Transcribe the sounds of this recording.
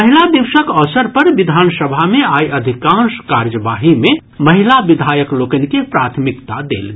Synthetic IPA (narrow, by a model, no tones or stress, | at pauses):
əɦilabiwʃəkɔsəɾpəɾʋid̪ʱaːnsəbʱameaiəd̪ʱikãʃkaɾjəʋaɦime | məɦilabid̪ʱajəklokənikepɾat̪ʰmikt̪ad̪ḛːl